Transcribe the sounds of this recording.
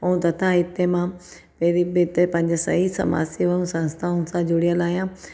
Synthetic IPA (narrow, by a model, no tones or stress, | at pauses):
ɐũt̪ɐt̪ʰait̪ːemã | peɾibet̪ːepãɲd͡ʑesɐ̰ɦisɐ̰ma̰ːsiʋɐũsɐ̃nst̪ʰaunsãd͡ʒoɽijəlaːjã